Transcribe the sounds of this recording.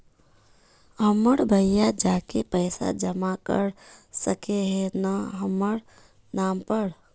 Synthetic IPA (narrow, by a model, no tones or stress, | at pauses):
ɦəməɽbʱəjjad͡ʒakepəɪsa̰d͡ʒəmakə̰ɾsəkeɦenaɦəməɾ | nampəɾ